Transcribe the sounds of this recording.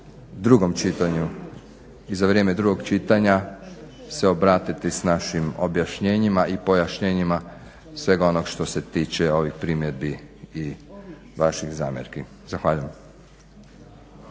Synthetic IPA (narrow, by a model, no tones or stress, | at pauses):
d̪ɾuɡo̞mt͡ʃit̪aɲu | izaʋɾjeːme̞d̪ɾuɡo̞ɡt͡ʃit̪aɲa | se̞o̞bɾaːt̪it̪isnaʃimo̞bjaʃɲeːɲimaʔipo̞jaʃɲeːɲima | sʋe̞ɡo̞noɡʃt̪o̞se̞t̪iːt͡ʃeo̞ʋixpɾimje̞d̪̚biː | ʋaʃixza̰ːmjḛɾki | zaxʋaːʎujem